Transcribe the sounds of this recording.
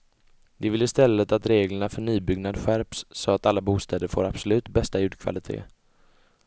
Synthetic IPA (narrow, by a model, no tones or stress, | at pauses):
d̪ɛvɪlːəɪst̪ɛlːət̪at̪ɾeːɡləɳafœɳyːbʏɡnad̪ɧæɾpsːɔat̪alːabuːst̪ɛːd̪əɾfo̰ːɾab̥sɔlʉ̟ːt̪bɛst̪ajʉ̟ːɖ̪kʰva̰lɪt̪ʰḛː